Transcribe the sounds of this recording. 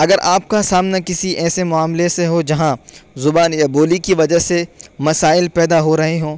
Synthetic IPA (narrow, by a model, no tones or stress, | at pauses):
ɐɡəɾʔaːp̚kasaːmnakɪsiʔɛːsemʊaːmleseɦod͡ʒɐɦãzʊbaːnjaboːlikiʋɐd͡ʒəɦsemɐsaːɪlpɛːd̪aɦoɾɐɦeɦõː